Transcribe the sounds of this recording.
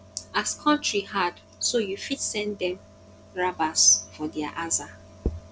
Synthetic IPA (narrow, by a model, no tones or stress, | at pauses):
askʰɔ̃ntɹihad | sojufidsɛ̃ndɛ̃m | ɹabasfɔdɛa̰ʔaza